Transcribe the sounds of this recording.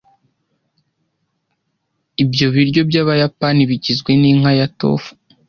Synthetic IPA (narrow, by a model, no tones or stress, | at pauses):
ibjo̞βiɾɟo̞bjaːβajapaniβiɟizɡwe̞niŋ̥hajato̞̰fu̥